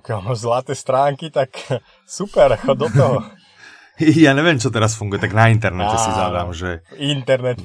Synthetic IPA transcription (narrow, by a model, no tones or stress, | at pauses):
pɔkjalmazlat̪ɛːst̪ɾaːŋkit̪ak | supɛɾakɔd̪ɔt̪ɔɦɔ | ijaːɲɛʋɪɛmt͡ʃɔt̪̬ɛɾasfuŋɡujɛt̪aɡnaint̪ɛɾnɛtɛsizaʋɾa̰mʒɛint̪ɛɾnɛt̪